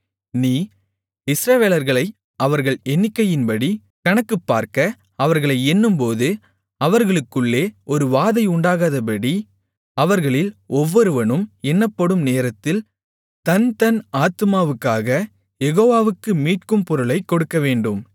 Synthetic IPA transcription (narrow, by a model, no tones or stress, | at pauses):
niː | ɪsɾɐʋeːlɐɾɣɐɭɐɪ | ɐʋɐɾɣɐɭɛnːɪkːɐjɪnbɐɽi | kɐɳɐkːɯpːaːɾkɐ | ɐʋɐɾɣɐɭɐɪɛnːɯmpoːðɯ | ɐʋɐɾɣɐɭɯkːɯɭːeːɔɾɯʋaːðɐɪʊɳɖaːɣaːðɐp̬ɐɽi | ɐʋɐɾɣɐɭɪlɔʋːɔɾɯʋɐɳɯmɛnːɐpːɐɽɯmneːɾɐt̪ːɪl | t̪ɐnt̪ɐnaːt̪ɯmaːʋɯkːaːɣɐ | jɛɣoːʋaːʋɯkːɯmiːʈkɯmpɔɾɯɭɐɪkːɔɽɯkːɐʋeːɳɖɯm